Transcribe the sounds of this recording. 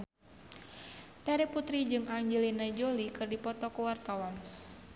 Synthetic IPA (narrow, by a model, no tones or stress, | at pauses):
t̪aɾɛput̪ɾid͡ʒɨŋaŋd͡ʒəlinaid͡ʒolikɨrdipɔt̪ɔkuwart̪awan